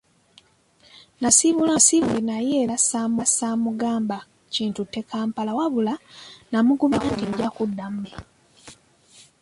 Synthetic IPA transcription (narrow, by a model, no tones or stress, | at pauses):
nasiβulasiβulenajelasaːmasaːmuɡaːmba | ciːntutːe̞kaːmpalawaβulanamuɡumakukiɟakudːamme